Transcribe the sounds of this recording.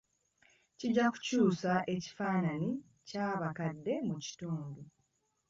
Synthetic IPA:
ciɟːaku̥cuːsaʔe̞ci̥faːnani | caːβakadːe̞muci̥tuːmbu

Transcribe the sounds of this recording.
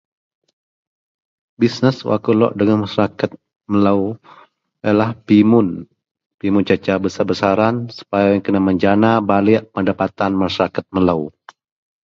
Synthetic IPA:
bisnəswa̰kulɔ̰ʔdəŋanmaʃaɾakat̪̚ | mələw | alahpimʊn | pimʊnt͡ʃat͡ʃabəsarbəsaɾansu̥pajajaŋkənaməɲd͡ʒanabalɪʔpəndapat̪anmaʃaɾakat̪̚mələw

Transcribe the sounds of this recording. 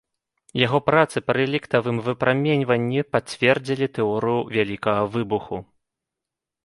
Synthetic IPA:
jaɣɔpɾat̪sɨpɾɨlʲikt̪ɐvɨmvɨpɾʔamʲenʲvɐnʲːipat͡sʲvʲɛrd͡zʲilʲit̪ɛɔɾɨjuvʲalʲikɐɣɐvɨbuxu

